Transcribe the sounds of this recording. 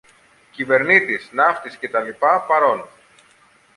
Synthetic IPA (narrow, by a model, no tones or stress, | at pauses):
cive̞ɾnit̪isnɐft̪isce̞t̪ɐlipɐpɐɾo̞nu